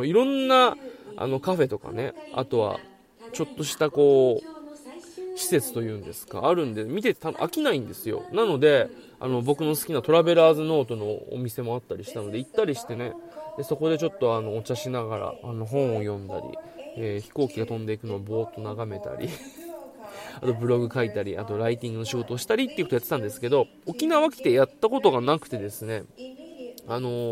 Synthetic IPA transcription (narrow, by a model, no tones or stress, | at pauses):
iɾõ̞nːaa̰no̞kaɸe̞t̪o̞ka̰ne̞a̰t̪o̞βa̰ | t͡ɕo̞t̪ːo̞ɕi̥t̪ako̞ː | ɕi̥se̞t͡sɨ̥t̪o̞jɯ̟̃ːnd̪e̞sɨ̥ka̰ːɾɯ̟̃nd̪emʲit̪̬e̞t̪et̪a̰ʔa̰kʲinaĩnd̪e̞sɨjo̞̰nano̞d̪e̞ | a̰no̞bo̞kɯ̟no̞sɨ̥kʲinat̪o̞ɾabe̞ɾaːzɨno̞ːt̪o̞no̞̰ːmʲise̞mo̞at̪ːaɾʲiɕi̥t̪ano̞d̪e̞it̪ːaɾʲiɕi̥t̪e̞ne̞d̪e̞so̞ko̞d̪e̞t͡ɕo̞t̪ːo̞ano̞ːt͡ɕaɕinaɡaɾa̰ano̞ɦõ̞ɰ̃o̞jõ̞nd̪a̰ɾʲḭeːçi̥ko̞ːkʲiɡat̪õ̞nd̪e̞ikɯ̟no̞βabo̞ːt̪ːo̞naɡame̞t̪a̰ɾʲʔḭ | at̪o̞bɯ̟ɾo̞ɡɯ̟kait̪aɾʲia̰t̪o̞ɾait̪ʲĩŋɡɯno̞ɕiɡo̞t̪o̞ːɕi̥t̪aɾʲit̪ːeiɯkoojat̪ːet̪ãnd̪e̞sɨ̥ke̞d̪o̞ | okʲinaβakʲi̥t̪e̞jat̪ːako̞t̪o̞ɡanakɯ̟̥t̪e̞d̪e̞sɨne̞ | ano̞